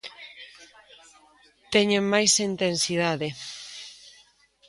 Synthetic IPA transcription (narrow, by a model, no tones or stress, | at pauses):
t̪ɛɲemmajsint̪ensiðaðe